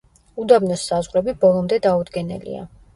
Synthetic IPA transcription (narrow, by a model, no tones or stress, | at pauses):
ud̪abnɔsːazʁɾɛbibɔlˠɔmd̪ɛd̪aud̪ɡɛnɛ̰lḭa̰